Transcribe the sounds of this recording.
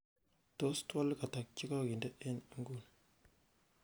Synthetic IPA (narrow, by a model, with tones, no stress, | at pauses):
to˦stwa˦lka˨ta˨k̚t͡ʃi˦ka˦ɡi˨nde˦ʔe˦nə˦ŋɡu˦˨n